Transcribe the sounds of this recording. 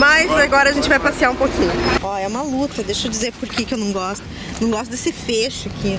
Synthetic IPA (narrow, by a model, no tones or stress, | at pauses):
majzaɡɔɾɐʒẽnt͡ʃɪvajpasiaɾũpokʰĩɲʊɔɛũmɐlut̪ɐd̪ejʃʊd͡ʒizeɾpoɾkekɪewnɐ̃w̃ɡɔst̪ʊ | nɐ̃w̃ɡɔst̪ʊd̪esɪfeʃʊakʰʲi